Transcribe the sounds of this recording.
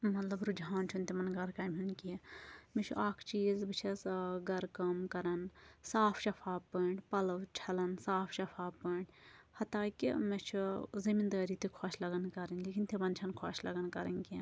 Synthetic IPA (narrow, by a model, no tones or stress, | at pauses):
mɐt̪lɐbɾud͡ʒaːnt͡ʃʰunt̪imɐnɡɐɾkɐːmʲɦunkimet͡ʃʰuʔaːkʰt͡ʃiːzbɨt͡ʃʰɐsɡɐɾkɐmkɐɾɐnsaːpʰʃɐpʰaːbpːəɳɖpɐlɐwt͡ʃʰɐlɐnsaːpʰʃɐpʰaːpːəɳɖhɐt̪aːkḭmet͡ʃʰuzimind̪aːɾit̪ikʰoʃlɐɡɐnkɐɾɐnʲleːkʰint̪ʰibɐnt͡ʃʰɐnkʰo̰ʃlɐɡɐnkɐɾɐnʲki